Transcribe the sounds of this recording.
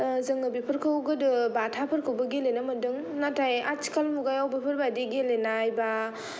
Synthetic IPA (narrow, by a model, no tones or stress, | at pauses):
zɯŋɯbipʰɯɾkʰɯwɡɯdɯbatʰapʰɯɾkʰɯwbɐɡilenamɯdɯŋ | natʰajat͡ʃi̥kalmuɡajawbipʰəɾbadiɡelenajba